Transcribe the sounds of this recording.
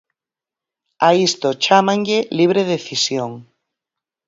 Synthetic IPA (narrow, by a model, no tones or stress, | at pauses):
aist̪ot͡ʃamãŋʎeliβ̞ɾeðeθisjoŋ